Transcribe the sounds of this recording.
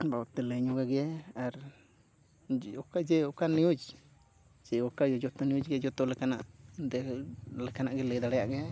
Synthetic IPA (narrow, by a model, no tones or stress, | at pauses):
bawt̪eleɲuɡaɡeaɾ | okad͡ʒeokanud͡ʒ | d͡ʒeokajod͡ʒot̪onjut͡ʃɡed͡ʒot̪olekana̰ʔd̪elekanaʔɡeled̪aɾjaʔɡe